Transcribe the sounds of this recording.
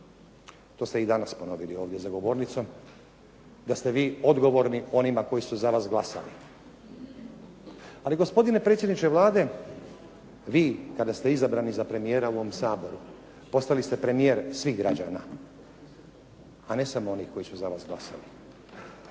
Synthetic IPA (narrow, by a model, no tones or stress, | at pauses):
t̪o̞ːst̪eid̪anaspo̞no̞ʋilio̞ːʋd̪jezaɡo̞ʋo̞ɾnit̪so̞m | d̪ast̪e̞ʋiːo̞d̪ɡo̞ʋo̞ɾnio̞nimako̞isuzaʋaːsɡlˠasa̰li | aliɡo̞spo̞d̪ine̞pɾet̪sʲjed̪nit͡ʃeʋlˠaːd̪e̞ | ʋiːkad̪ast̪e̞izabɾaːnizapɾe̞mijeːɾauoʋomsaːbo̞ɾu | po̞st̪ailist̪e̞pɾe̞mije̞ːɾsʋiɦɡɾad͡ʒaːna̰ | ane̞samoo̞nixko̞jisuzaʋaːsɡlasa̰li